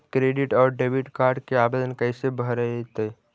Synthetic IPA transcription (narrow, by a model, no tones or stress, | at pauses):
kɾeɖiʈɔːɾɖebiʈkaːɾɖkeaːbed̪ənkəɪsebʱəɾəet̪əj